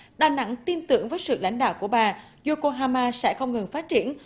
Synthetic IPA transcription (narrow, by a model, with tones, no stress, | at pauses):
ɗaː˨˧˩na̰˧˥ŋt̪i˧nt̪ɨ̰˧˩əŋvəː˨˦jsɨ̰˧˨la̰˧˥jŋ̟ɗa̰ː˧˨wku˧˩əɓaː˨˩ | zo˧ko˧ɦaː˧maː˧sɛ̰˧˥xə˧wŋ͡mŋɨ˨˩ŋfaː˦˥t̚t͡ɕi˧˩˨ən